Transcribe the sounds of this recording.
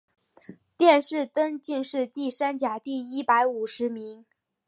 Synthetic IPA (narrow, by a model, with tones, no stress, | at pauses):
t̪jɛ˥˧nʂɻ̩˥˧t̪ə˥ŋt͡ɕi˥˧ŋʂɻ̩˥˧t̪i˥˩sa˥nt͡ɕja˨˩t̪i˥˩i˥pa˧˥ɪu˨˩ʂɻ̩˧˥mi˧˥ŋ